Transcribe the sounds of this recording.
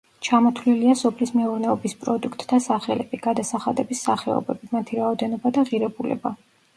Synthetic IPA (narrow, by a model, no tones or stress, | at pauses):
t͡ʃʰamɔt̪ʰvliliasɔpʰlismɛuɾnɛɔbispʼɾɔd̪ukʰt̪ʼd̪asaχɛlɛb̥iɡ̥ad̪asaχad̪ɛbisːaχɛ̰ɔ̰bɛbimat̪ʰiɾaɔd̪ɛnɔbad̪aʁiɾɛbulɛ̰ba